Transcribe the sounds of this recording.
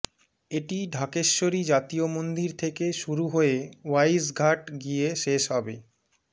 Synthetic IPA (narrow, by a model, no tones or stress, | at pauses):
eʈiɖʱakeʃːoɾid͡ʑat̪iomond̪iɾt̪ʰekeʃuɾuɦoewajsɡʱaʈɡieʃeʃɦɔbe